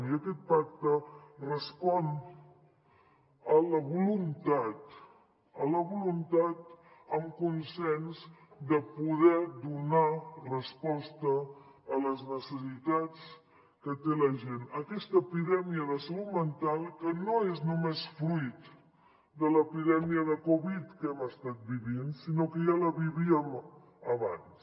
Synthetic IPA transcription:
iəkɛt̪̚pak̚t̪ərəspɔn | ələβulunt̪at̪ | ələβulunt̪at̪̚ | əmkunsɛnzd̪əpuðɛd̪unarəspɔst̪əːləznəsəsit̪at͡s | kət̪eləʒenəkɛst̪əːpiðɛmiəðəsəlut̪mənt̪alˠkənoeznumesfɾuit̪ | d̪ələpiðɛmiəðəkoβit̪kɛməst̪at̪̚biβinsinokəʒaləβiβiəm | əβa̰ns

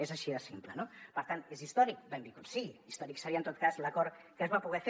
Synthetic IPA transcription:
ezaʃiðəsimplənopəɾt̪anezist̪ɔɾik̚bɛmbikunsiɣist̪ɔɾiksəɾiənt̪ot̪̚kazləkɔɾ | kəzβapuɣɛfe

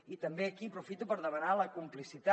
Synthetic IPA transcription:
it̪əmbeəkipɾufit̪upəɾðəmənaləkumplisit̪a

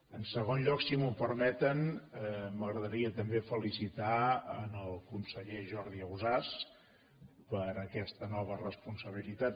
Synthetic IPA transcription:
ənsəɣonʎɔksimupəɾmɛt̪ən | məɣɾəðəɾiət̪əmbefəlisit̪aənəlˠkunsəʎeʒɔɾðiəuzas | pəɾəkɛst̪ənɔβ̞ərəspunsəβ̞ilit̪at̪

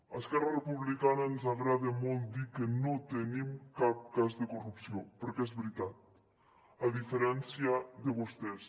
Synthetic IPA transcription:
askɛrarepuβlikanaenzaɣɾaðemolt̪̚d̪ikenot̪enĩmkap̚kazðekorupsjopeɾkɛzβɾit̪at̪̚ | aðifeɾɛnsjaðeβost̪es

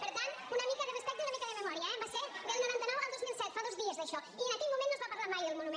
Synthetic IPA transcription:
peɾt̪ant̪unɐəmikəðerespɛk̚t̪eunɐmikəðememɔɾjɐɛbaseɾdelˠnoɾant̪ənɔwalˠd̪ozmilˠsɛt̪faðozðiəzðeʃɔ | ienɐkɛʎmumẽnnːozβapɐɾlaɾmajðelˠmunumẽ

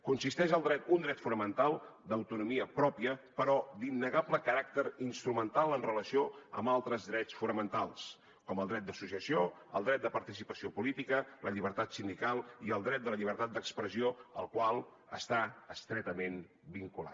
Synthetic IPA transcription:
kunsist̪ɛʒəlˠd̪ɾɛt̪und̪ɾɛt̪funəmənt̪alˠd̪əwt̪unumiəpɾɔpiəpəɾɔd̪inːəɣabləkəɾak̚t̪əɾinst̪ɾumənt̪alˠənrələsioə̰mbalˠt̪ɾəzðɾɛt̪t͡sfunəmənt̪alˠs | kɔməlˠd̪ɾɛt̪̚d̪əsusiəsioə̰lˠd̪ɾɛt̪̚d̪əpəɾt̪isipəsiopulit̪ikələʎiβ̞əɾt̪at̪sind̪ikalˠiəlˠd̪ɾɛt̪̚d̪ələʎiβəɾt̪at̪̚d̪əkspɾəzioəlˠkwalˠ | ə̰st̪aəst̪ɾɛt̪əmen | biŋkula̰t̪

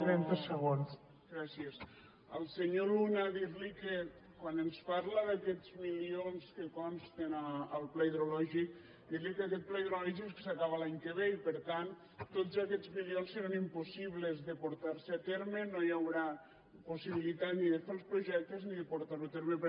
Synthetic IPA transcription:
ɾɛnt̪esəɣons | ɡɾasies | əlˠseɲolunaðiɾlike | kwanenspaɾlaðakɛzmilionskekɔnst̪enaəlˠplaiðɾolɔʒik | d̪iɾlikeakɛt̪̚plaiðɾolɔʒisksakaβalaɲkəβeipəɾt̪ant̪ | t̪ːot̪zakɛd͡zmilionsːeɾanimpusiβlezðəpuɾt̪aɾseat̪eɾmenojawɾa | pusiβ̞ilit̪at̪niðəfelˠspɾuʒɛk̚t̪ezniðəpuɾt̪aɾut̪eɾmep

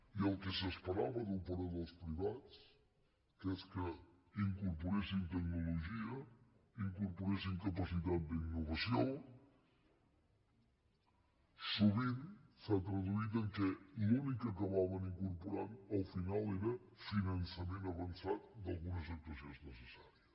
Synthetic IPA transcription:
iəlˠkəsəspəɾa̰βəðəlˠpəɾoðəlˠspɾiβat͡s | keskə | iŋkuɾpuɾesint̪əɡnuluʒiə | iŋkuɾpuɾesiŋkəpəsit̪at̪̚d̪inːuβəsio | suβ̞insət̪ɾəðuit̪əŋkəlunikəkəβaβəniŋkuɾpuɾanəlˠfinalˠeɾə | finənsəmenəβənsat̪̚d̪ɐlˠɣunəzək̚t̪uəsjonznəsəsaɾiəs

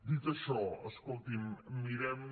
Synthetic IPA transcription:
d̪it̪əʃɔəskolˠt̪imːiɾɛm

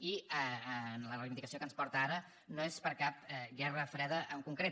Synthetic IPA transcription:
iəənlərəjβind̪ikəsiokənspɔɾt̪əaɾə | noespəɾkap̚ɛɣɛrəfɾɛðəʔəŋkuŋkɾe

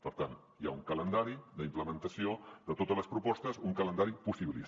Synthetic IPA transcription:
pəɾt̪an | ja̰uŋkələnd̪aɾiðəimpləmənt̪əsioðət̪ot̪ələspɾupɔst̪əzuŋkələnd̪aɾipusiβilḭ

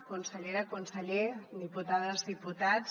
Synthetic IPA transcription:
kunsəʎeɾakunsəʎeðiput̪aðəzðiput̪a

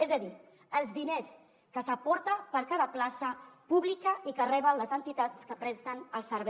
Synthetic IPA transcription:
ezəði | əlˠzðines | kəsəpɔɾt̪əpəɾkaðəplasəpuβlikəikərɛβənləzənt̪it̪at͡skəpɾɛst̪ənəlˠsəɾβɛ

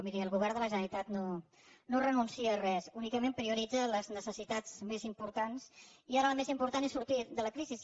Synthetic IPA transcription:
miɾiəlˠɣuβ̞ɛrnd̪ələʒənəɾit̪at̪no | norənunsiərɛsunikəmempɾiuɾid͡zələznəsəsit̪ad͡zmezimpuɾt̪ansiaɾəlˠmezimpuɾt̪anesuɾt̪id̪ələkɾizis

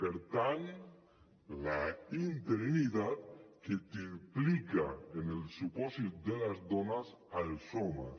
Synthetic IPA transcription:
peɾt̪an | laint̪eɾinid̪at̪ket̪iplikaenelsuposit̪̚d̪e̞lazd̪onas | alsoma̰

